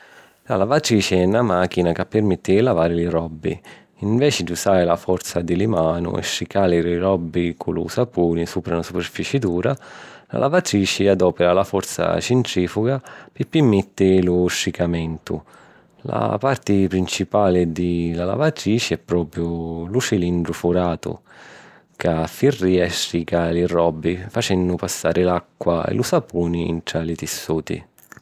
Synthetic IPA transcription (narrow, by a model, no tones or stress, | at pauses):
la̰lavat̪ɾiːt͡ʃiɛnːamak̟inakapːɪrmɛt̪ːɪlavaːɾɪlɪɾɔbːḭ | iɱvɛːt͡ʃɪd̪iusaːɾɪlafɔɾt̪sad̪ɪlimaːnṵɛ̰ʃːikaːlɪɾiɾɔbːikʰulṵsapuːnisuːpɾanasuperfit͡ʃid̪uːɾala̰lʔa̰vat̪ɾiːt͡ʃɪad̪ɔːpɛɾalafɔrt̪sa̰t͡ʃɪnt̪ɾiːfuɡapɪpːimːɛt̪ːɪlʊʃːikamɛnt̪ʊ̰ | la̰part̪ɪpɾint͡ʃipaːlɪd̪ɪlala̰vat̪ɾiːt͡ʃiɛpːɾɔːpɾjʊlut͡ʃilind̪ɾʊfuɾaːt̪ʊ̰ | kafːirːiːaɛʃɾiːkalɪrɔbːifat͡ʃɛnːʊpasːa̰ːɾʔɪlakːwaɛ̰lusapuːniḭnt̪ɾalit̪isːuːt̪ḭ